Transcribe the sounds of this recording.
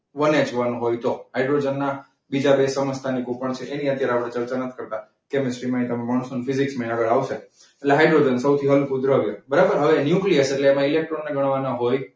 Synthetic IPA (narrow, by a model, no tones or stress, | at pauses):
ʋənet͡ʃʋanũɦojt̪oɦaiɖɾod͡ʒənːa | bid͡ʒabesəməst̪ʰanikopəɳt͡ʃʰeʔeniət̪jaɾeapɽ̃et͡ʃəɾt͡ʃanət̪ʰi̥kəɾt̪a | kemɪsʈɾimãĩt̪əmẽmaɳ̃sonfiziksmaiaɡəɭaʋʃe | eʈleɦajɖɾod͡ʒənsəwt̪ʰiɦəlukud̪ɾəəʋjabəɾabəɾɦəʋenjukliəseʈleːmãilek̚ʈɾonːeɡəɳ̃ʋanaɦoj